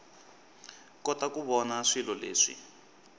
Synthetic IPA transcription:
kɔtakuβɔnaʂilɔlḛːʂḭ

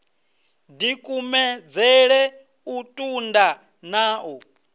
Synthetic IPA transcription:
dikʼumɛd͡zɛɺɛ | utʼunda | naːʔɔ

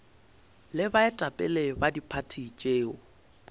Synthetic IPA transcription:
lɪbaɪtʼapʼɛ̰lebadipʰatʰit͡ʃʼeːɔ

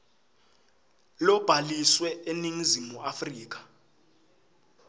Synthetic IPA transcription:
lɔb̥ʱaliswɛeniŋizimuafriːk̬ḁ

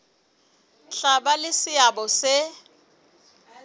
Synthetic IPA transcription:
ɬʼabalɪsɪabɔsɪ

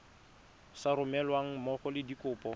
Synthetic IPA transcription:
saɾʊmɛlwaŋ̩mɔχɔlɪdikʼʊːpʼɔ

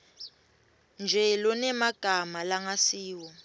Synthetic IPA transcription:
nd͡ʒʱɛlɔnɛmaɡ̥ʱamalaŋasiːwɔ

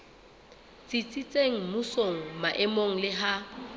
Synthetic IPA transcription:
t͡sʼit͡sʼit͡sʼeŋ̩mʊsoŋ̩maʔɛmoŋ̩lɪɦa

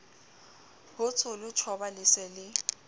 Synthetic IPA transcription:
bʊt͡sʰʊlʊt͡ʃʰɔbalɪsɛlɪ

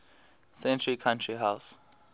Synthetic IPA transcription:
sɛ̃ntʰɹikʰãntʰɹiɦaws

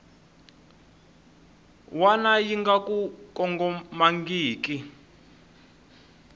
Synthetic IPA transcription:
wanajiŋɡakukɔŋɡɔmaŋɡiːki

